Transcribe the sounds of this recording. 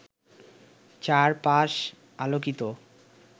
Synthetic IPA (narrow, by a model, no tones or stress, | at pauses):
t͡ɕaɾpaʃ | alokit̪o